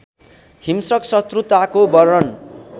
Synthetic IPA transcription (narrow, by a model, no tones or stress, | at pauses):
himsʌksʌt̪rut̪akobʌɾʌn